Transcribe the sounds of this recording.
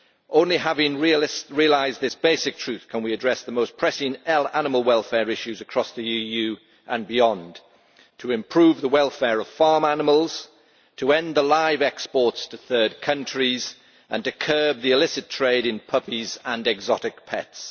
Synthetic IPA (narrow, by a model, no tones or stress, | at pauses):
ʔõʊ̃nliɦavɪ̃ŋɹiəsɹiəlaɪzðɪsb̥eɪsɪk̚tʰɹ̥ʉθkʰə̃nwiədɹɛsðəmoʊspʰɹ̥ɛsɪ̃ŋɛlanɪməl̩ˠwɛlˠfɛːɹɪʃʉzəkʰɹ̥ɒsðiijʉː | ʔə̃nbɪjɒ̃n | tʰəɪ̃mpʰɹ̥ʉːvðəwɛlˠfɛːɹəv̥fɑːmanɪməlˠz̥ | tʰəɛ̃nðəlaɪvɛkspɔˑtstʰəθɜːd̚kʰʌ̃nt͡ʃɹ̥iz | ʔə̰̃ntɨkʰɜːb̚ðiɪlɪsɨtʰɹ̥eɪɾɪ̃npʰʌpizə̃nɛɡzɒɾɪk̚pʰɛ̰ts